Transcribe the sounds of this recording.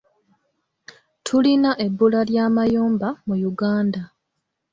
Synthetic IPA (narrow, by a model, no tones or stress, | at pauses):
tʰulinaʔe̞bːulaljaːmajoːmbamujuɡaːnda